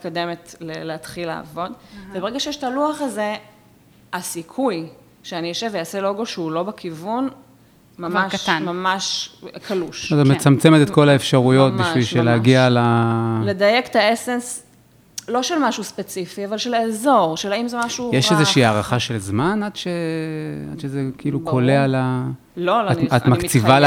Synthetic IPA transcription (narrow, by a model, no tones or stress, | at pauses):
it̚kode̞metleleat̪χila̰ːvo̞dvebeʁeɡaʃejɛʃtaluaχaze̞ | asikʰuj | ʃeanijoʃevejaselo̞ɡo̞ʃeulo̞bekʰivun | mamaʃmamaʃkʰaluʃtamet͡samt͡semet̪etko̞laefʃaʁujo̞t̪̚biʃvilʃeleaɡialaled̪ajekt̪aesens | lo̞ʃelmaʃuspet͡sifiavalʃeleːzo̞ʁʃelaimzemaʃujeʃezeʃiːaʁaχaʃe̞lzmanad̪ʃe | a̰d̥ʃezekiiːlukoleala | loloat̪makt͡sival